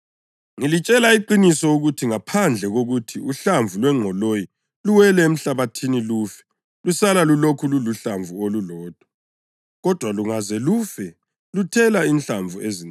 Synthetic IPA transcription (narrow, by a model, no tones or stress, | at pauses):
ŋilit͡ʃʼɛlaiǃinisɔuɣutʰiŋapʰand͡ɮʱɛɣoɣutʰiuɬaɱvʱulwɛŋ͡ǃʱɔloji | luwɛlɛem̩ɬaβatʰiniluːfɛ̥ | lusalalulokʰululuɬaɱvʱuolulɔːd̥ʱwa | ɣɔd̥ʱwaluŋazɛlufɛ | lutʰɛlaint͡ɬaɱvʱuezin